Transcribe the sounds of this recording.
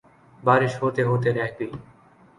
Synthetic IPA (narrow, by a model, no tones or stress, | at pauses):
baɾeʃɦot̪eɦot̪̬eɾɛkʰbi